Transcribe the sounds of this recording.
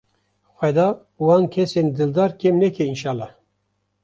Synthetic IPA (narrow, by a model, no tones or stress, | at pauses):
xʷɛd̪ɑː | wɑːnkʰɛseːnd̪ɨld̪ɑːɾkemnɛkʰɛinʃɑːlːɑː